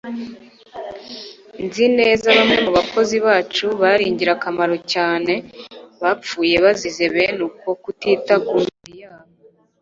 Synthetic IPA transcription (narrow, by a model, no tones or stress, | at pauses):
nzine̞ːzaβamŋe̞muβako̞ziβaːt͡ʃuβaɾiːɲɟiɾakamaɾo̞caːne̞βap͡fuːje̞βazizeβe̞nuko̞kutiːtaɡunijaːβo